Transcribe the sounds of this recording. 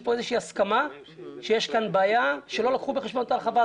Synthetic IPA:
po̞ezeʃiːaskama | ʃe̞jeʃkanbaːjaʃe̞lo̞lakχubeχeʃbonot̪alχava

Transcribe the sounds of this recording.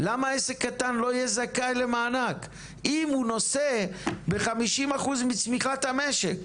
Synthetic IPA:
lamaesekːatanlo̞ijɛzakalemaːnak | imhuno̞sebe̞χamiʃimaχuzmit͡smiχathameʃek

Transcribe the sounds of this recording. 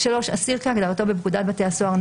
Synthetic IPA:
ʃalo̞ʃasiʁkaaɡdaʁat̪o̞bebkud̪at̪̚bat̪easoaʁn

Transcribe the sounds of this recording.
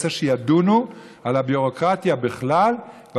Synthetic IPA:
saʃejad̪unualabjuʁokʁat̪jabiχlal | v

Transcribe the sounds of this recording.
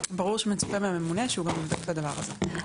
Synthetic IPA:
baʁuʁʃemet͡su̥pemeame̞muneʃeuɡamevd̪oklad̪avaʁaze

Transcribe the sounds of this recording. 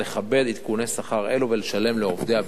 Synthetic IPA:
leχabe̞d̪it̪kune̞saχaʁe̞luveleʃale̞mleo̞vd̪ea

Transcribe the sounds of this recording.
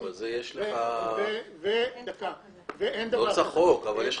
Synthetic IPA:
valzejeʃleaeveka | veʔend̪ɐvosaχokavaljeʃ

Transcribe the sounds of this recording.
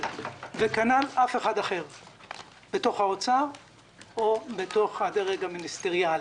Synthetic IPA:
vekanalafe̞χadaχe̞ʁ | b̥eto̞χhaot͡saʁ | obeto̞χhad̪eʁeɡaminist̪e̞ʁjal

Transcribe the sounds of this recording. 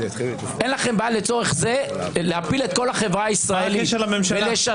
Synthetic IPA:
enlaχe̞mbajalet͡so̞ʁeχze̞ | lehapile̞t̪̚ko̞laχe̞vʁaaisʁaeliʃlamemʃaeleʃa

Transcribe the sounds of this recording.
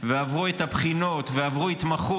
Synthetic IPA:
veavʁuet̪hapχino̞t̪veavʁuit̪maχu

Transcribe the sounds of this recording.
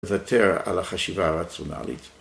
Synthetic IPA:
vatʰeʁa̰laχaʃivaːʁat͡sona̰lḭt

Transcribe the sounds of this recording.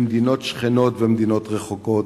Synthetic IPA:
md̪ino̞tʃχeno̞tvemd̪inot̪ʁeχokot

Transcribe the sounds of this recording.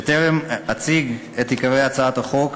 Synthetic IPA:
t̪eʁemat͡siɡ | et̪hikaʁejat͡saat̪aχo̞k

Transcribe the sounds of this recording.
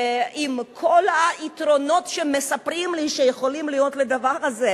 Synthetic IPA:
ʔimkʰo̞laitʁo̞no̞tʃemesapʁimliʃejeχo̞limlijo̞t̪led̪avaʁaze

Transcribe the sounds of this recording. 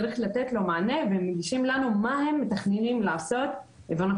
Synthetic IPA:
ʁiχlat̪et̪lo̞maːne̞vemːeɡiʃimlanumahe̞mːet̪aχnenimlaːso̞t̪ | evana

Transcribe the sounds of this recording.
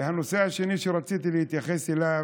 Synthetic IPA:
hanoseaʃeniʃeɾˤɑt͡siːt̪ilɪhit̪jaxesɪla

